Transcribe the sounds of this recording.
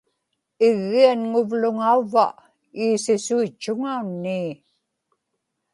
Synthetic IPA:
ɪɣːianŋʊvlʊŋauva̰ʔ | iːsɪsuit͡ʃːʊŋaunːiː

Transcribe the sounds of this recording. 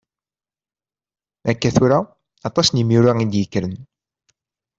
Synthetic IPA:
ækːæθuɾa | ɑt̪ˤɑsnəmjuɾaid̪jəkːɾən

